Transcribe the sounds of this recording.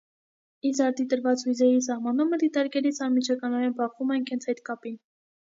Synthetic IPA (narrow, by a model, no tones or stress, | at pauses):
izɑɾt̪d̪it̪əɾvɑt͡shujzɛjisɑhmɑnuməd̪it̪ɑɾkɛlit͡sʰɑnmit͡ʃʰɑkɑnɔɾɛnbɑχumɛjnkʰɛnt͡sʰɛjt̪kɑpin